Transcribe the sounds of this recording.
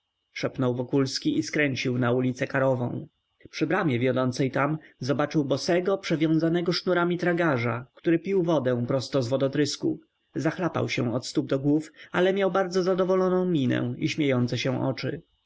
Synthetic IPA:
ʂɛpnɔwvɔkulskʲiiskɾɛɲt͡ɕiwnaulʲit̪sɛkaɾɔvɔ̰̃w̃ | pʂɘbɾamʲjɛvʲjɔd̪ɔnt̪sɛjt̪amzɔbat͡ʂɘwbɔsɛɡɔpʂɛvʲjɔ̃w̃zanɛɡɔʂnuɾamʲit̪ɾaɡaʐakt̪uɾɘpʲiwvɔd̪ɛ̃w̃pɾɔst̪ɔzvɔd̪ɔt̪ɾɘskṵ | zaxlapa̰wɕɛ̃ɔt̪st̪ub̚d̪ɔɡwufalɛmʲjawbaɾd̪zɔzad̪ɔvɔlɔnɔ̃w̃mʲinɛ̰̃iɕmʲjejɔnt̪sɛɕɛ̃ʔɔ̰t͡ʂɘ̰

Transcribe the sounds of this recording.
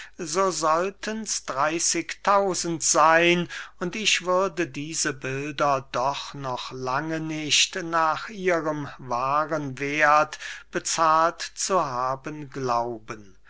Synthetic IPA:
zoːzɔltʰənsd̥ʁaɪsɪktʰaʊzn̩tz̥aɪnʊntɪçv̥ʏʁdədiːzəbɪldɐdɔχnɔχlaŋənɪʃtnaːχʔiːʁəmvaːʁənveːɐtb̥ət͡saːltt͡suɦaːbənɡlaʊbən

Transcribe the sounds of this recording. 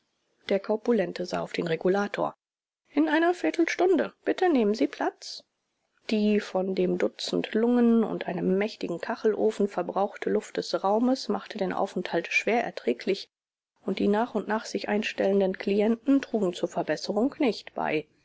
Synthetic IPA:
d̥eːɐkʰɔɐpulɛntʰəza̰ːaʊfd̥eːnʁeɡulaːtʰo̰ːɐ | ʔɪnʔaɪnɐfɪɐtl̩ʃtʊndəb̥ɪtəneːmənziːpʰl̥at͡s | d̥iːfɔndeːmdʊt͡sn̩tlʊŋənʊ̰ntʔaɪnəmːɛçtɪɡŋ̩kʰaχl̩ʔoːfn̩fɛɐbʁaʊxtʰəlʊft̚d̥ɛsʁaʊməsma̰χtədeːnʔa̰ʊfn̩thaltʃv̥eːɐʔɛ̰ɐtʁ̥ɛːklɪç | ʔʊnt̚d̥ḭːnaːχʊntnaːχz̥ɪçʔa̰ɪnʃtɛləndənkl̥iɛntn̩tʁ̥uːɡŋ̩t͡suːɐfɛɐbɛsəʁʊŋknɪçtb̥a̰ɪ

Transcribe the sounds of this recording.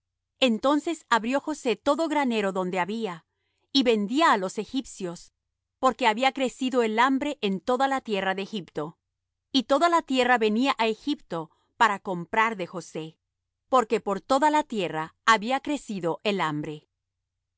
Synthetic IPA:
e̞nt̪o̞nse̞saβɾjo̞xo̞se̞t̪o̞ðo̞ɣɾane̞ɾo̞ðo̞nd̪e̞aβia | iβe̞nd̪iaːlo̞se̞xipsjo̞s | po̞ɾke̞aβiakɾe̞siðo̞e̞lambɾe̞ʔent̪o̞ðalat̪je̞raðexipt̪o̞ | it̪o̞ðalat̪je̞raβe̞niaʔaexipt̪o̞ | paɾako̞mpɾaɾðe̞xo̞se̞ | po̞ɾke̞po̞ɾt̪o̞ðalat̪je̞raːβiakɾe̞siðo̞ʔe̞lambɾe̞

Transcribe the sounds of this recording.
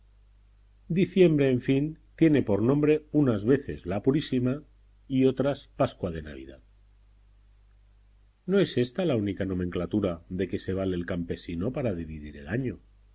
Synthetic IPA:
d̪iθje̞mbɾe̞ːɱfint̪je̞ne̞po̞ɾnõ̞mbɾe̞unazβe̞θe̞̰zlapuɾisima | io̞t̪ɾaspaskwað̞e̞na̰β̞ḭða̰ð | no̞e̞se̞st̪alaunikano̞mẽŋklat̪uɾaðe̞ke̞se̞β̞alelkampe̞sino̞paɾað̞iβiðiɾe̞̰laɲo

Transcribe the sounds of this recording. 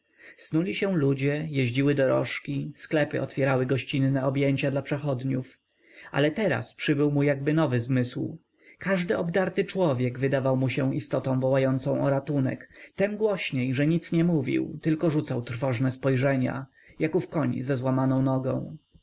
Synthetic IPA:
snulʲiɕɛ̃lud͡ʑɛjɛʑd͡ʑiwɘd̪ɔɾɔ̰ʂkʲisklɛpɘʔɔt̪fʲjɛɾawɘɡɔɕt͡ɕinːɛɔbjeɲt͡ɕad̪lapʂɛxɔd̪ɲuf | ʔa̰lɛt̪ɛɾa̰spʂɘbɘwmujaɡbɘnɔvɘzmɘsw | kaʐd̪ɘʔɔbd̪aɾt̪ɘt͡ʂwɔvʲjɛɡvɘd̪avawmuɕɛist̪ɔt̪ɔ̃w̃vɔwajɔnt̪sɔ̃w̃ʔɔɾat̪unɛ̰kt̪ɛmɡwɔɕɲejʐɛɲit̪sɲɛmuvʲḭwt̪ɘlkɔʐut̪sawt̪ɾfɔʐnɛspɔjʐɛɲa̰ | jakufkɔɲzɛzwamanɔ̃w̃nɔɡɔ̰̃w̃

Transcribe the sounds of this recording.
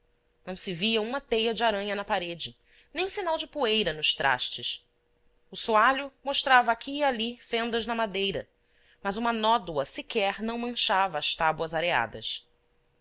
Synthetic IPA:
nɐ̃w̃sɪviɐũmɐt̪ejɐd͡ʒɪaɾɐ̃ɲɐnɐpaɾed͡ʒɪ | nẽj̃sinawd͡ʒɪpuejɾɐnʊʃt̪ɾʔa̰ʃt͡ʃɪs | ʊsuaʎʊmoʃt̪ɾavɐakʰʲiːalifẽnd̪ɐznɐmad̪ejɾɐ̰ | mɐzũmɐnɔd̪uɐsikɛɾnɐ̃w̃mɐ̃ʃavɐːʃt̪abwɐzaɾea̰d̪ɐ̰s

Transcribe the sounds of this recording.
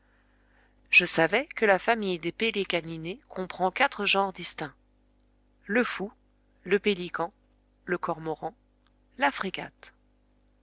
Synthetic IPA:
ʒ̥əsavɛkəlafamijd̪epelekaninekʰɔ̃pχɑ̃kat̪χəʒɑ̃ʁd̪ist̪ɛ̃ | ləfu | ləpelikɑ̃ | ləkɔʁmɔʁɑ̃ | lafχeɡa̰t̪

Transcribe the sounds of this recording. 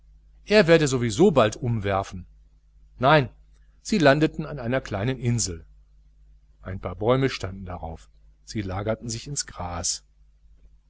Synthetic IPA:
ʔeːɐveːɐɾəzovizoːbaltʔʊmvɛɐfn̩ | naɪn | z̥iːlandətn̩anaɪnɐkl̥aɪnənʔɪnzl̩ | ʔaɪnpʰaːɐbɔʏməʃtandn̩daʁa̰ʊf | z̥iːlaːɡɐtn̩zɪçɪnsɡ̥ʁaːs

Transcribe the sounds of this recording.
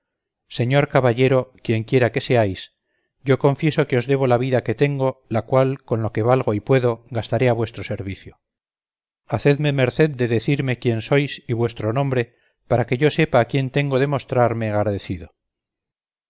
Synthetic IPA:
se̞ɲo̞ɾkaβaʎe̞ɾo̞kje̞ŋkje̞ɾake̞se̞ajs | ɟ͡ʝo̞ko̞ɱfje̞so̞keo̞zðe̞β̞o̞laβiðake̞t̪e̞ŋɡo̞lakwalko̞nlo̞ke̞βalɣo̞ipwe̞ðo̞ɣast̪aɾe̞aβwe̞st̪ɾo̞se̞ɾβiθjo | aθe̞ðme̞meɾθe̞ðd̪e̞ðe̞θiɾme̞kje̞nso̞jsiβwe̞st̪ɾo̞nõ̞mbɾe̞ | paɾake̞ʝo̞se̞paːkje̞nt̪e̞ŋɡoðe̞mo̞st̪ɾaɾme̞ɣaɾaðeθiðo

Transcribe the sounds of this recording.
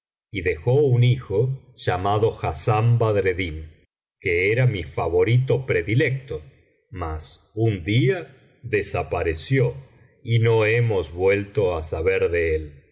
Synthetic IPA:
iðe̞xounixo̞ | ʒ̥amaðo̞xasambaðɾeðin | keeɾamifaβo̞ɾit̪o̞pɾeðilek̚t̪o | mas | und̪ia | ðesapaɾesjo | ino̞emozβwe̞lt̪o̞asaβeɾðeel

